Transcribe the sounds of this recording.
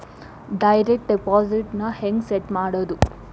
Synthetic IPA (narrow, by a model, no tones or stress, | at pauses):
ɖɐjɾek̚ʈ̚ɖipɔːziʈnɐheŋɡseʈmaːɽod̪u